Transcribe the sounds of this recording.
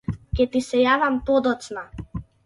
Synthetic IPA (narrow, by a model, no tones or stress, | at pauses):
cʲɛt̪isɛjavampɔd̪ɔt̪sna